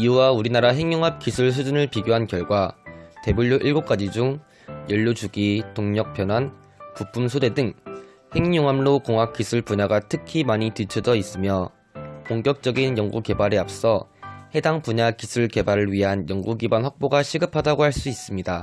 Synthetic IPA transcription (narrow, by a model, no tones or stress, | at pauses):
iuwauɾinaɾaɦe̞ŋɲoŋɦap̚k͈isʰuɭs̬ʰud͡ʑunɯɭpiɡjoɦankjʌɭɡwate̞buɭːjoʔiɭɡok͈ad͡ʑid͡ʑuŋ | jʌʎːod͡ʑuɡitoŋɲʌk̚pʰjʌnwan | pup͈ʰumsʰode̞dɯŋ | he̞ŋɲoŋɦamlokoŋɦak͈̚isʰuɭpuɲaɡatʰɯkʰimaɲitɯt͡ɕʰʌd͡ʑʌis͈ɯmjʌ | koŋk͈jʌk̚t͡ɕ͈ʌɡinjʌŋɡuke̞baɾeap̚s͈ʌhe̞daŋpuɲakisʰuɭke̞baɾɯɭɥiɦanjʌŋɡuɡibwanɸwak̚p͈oɡaɕʰiɡɯpʰadaɡohaɭs͈uis͈ɯmɲida